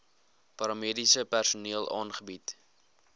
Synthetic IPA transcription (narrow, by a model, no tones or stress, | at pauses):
pɐɾɑmiədisəpærsuniəlˠʔɑ̰ːnχəbit